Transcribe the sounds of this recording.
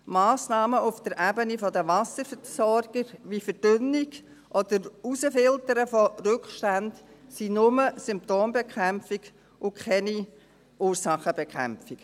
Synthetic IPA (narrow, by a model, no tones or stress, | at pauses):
mɑːsnɑːməʔʊfd̥əɾʔæbənifɔdəʋɑsəɾfəsɔɾɡ̥əɾʋifəd̥ʏnɪɡ | ʔɔd̥əɾusəfɪltəɾəfɔɾʏkχʃtændsinʊməsʏmp̚toːmbɛkʰχæmfiɡ | ʔʊkχɛni | ʔuːɾsɑχəbɛkχæ̰mfɪk